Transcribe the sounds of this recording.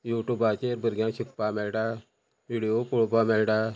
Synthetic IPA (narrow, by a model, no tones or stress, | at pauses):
juʈubat͡ɕeɾbəɾɡjãɕik̚pamɛlʈa | ʋiɽijopuɭpamɛlʈa